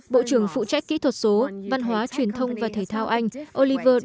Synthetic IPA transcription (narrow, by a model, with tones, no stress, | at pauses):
ɓo̰˧˨t͡ɕɨ˧˩əŋfṵ˧˨t͡ɕa˦˥k̟̚kːḭ˧˥t̪ʰwə˨˩t̚so˨˦va˧nɦwaː˨˦t͡ɕwi˨˩ənt̪ʰə˧wŋ͡mvaː˨˩t̪ʰəː˧˩jt̪ʰaː˧wʔa˧jŋ̟ʔo˧li˧vəː˧